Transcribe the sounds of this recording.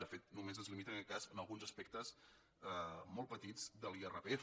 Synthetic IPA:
d̪əfet̪numezəzlimit̪ənəkɛt̪̚kazənəlˠɣunzəspɛk̚t̪əz | əmɔlˠpət̪id͡zd̪əlˠierəpe

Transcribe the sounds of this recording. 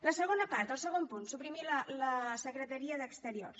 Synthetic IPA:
ləsəɣonəpaɾt̪əlˠsəɣ̞ompunsupɾimilələsəkɾət̪əɾiəðəkst̪əɾio̰rs

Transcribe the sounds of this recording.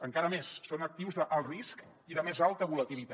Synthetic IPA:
əŋkaɾəmesːonək̚t̪iwzðəʔalˠrisk | iðəmezalˠt̪əβulət̪ilit̪a

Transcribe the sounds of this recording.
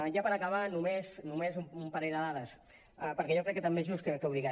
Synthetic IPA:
ʒapəɾəkəβanumeznumezumumpəɾɛʎðəðaðəs | əpəɾkɛʒɔkɾɛkːət̪əmbezʒuskəkəwðiɣɛ

